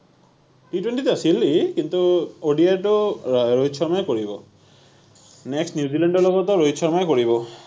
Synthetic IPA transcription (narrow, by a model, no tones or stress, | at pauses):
ʈitwenʈituasilːikint̪uoɖiatoɹoɦit̪ːt͡ʃʰɔɹmajɛkoɹibɔ | nɛksnjuzilaɳɖɔɹlɔɡɔt̪ɔɹoɦitsʰɔɹmajkoɹiβɔ